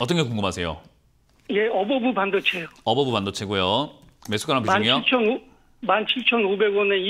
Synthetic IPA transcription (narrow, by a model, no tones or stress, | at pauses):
ʌt͈ʌŋɡekoŋɡɯmɦasʰe̞jo̰ | jeʌbʌbupandʌt͡ɕʰejoʌbʌbupandʌt͡ɕʰe̞ɡojo | mesʰu̥k͈aɾampiaŋijoit͡ɕʰʌno | mant͡ɕʰiɭt͡ɕʰʌnobe̞ɡwʌnei